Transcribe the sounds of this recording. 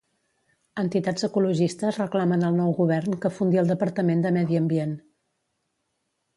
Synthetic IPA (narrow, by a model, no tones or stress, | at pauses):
ənt̪it̪ad͡zəkuluʒist̪əzrəklamənəlˠnɔwɣuβɛrnkəfund̪iəlˠd̪əpəɾt̪əmend̪əmɛðiəmbien